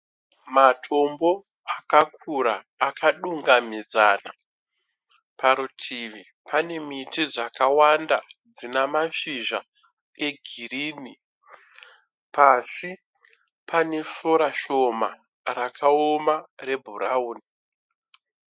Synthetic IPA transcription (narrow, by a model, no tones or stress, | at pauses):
matʰo̞mbo̞ | akak̚ʰuɾaː | kaɗuŋɡamid͡zaːna̰ | paɾutʰiʋi | pane̞mitid͡zakawandad͡zinamaʃiʒa | e̞ɡʱiriːni | pasi | pʰane̞so̞ɾaʃo̞ma | rakaomare̞bʱuɾauːni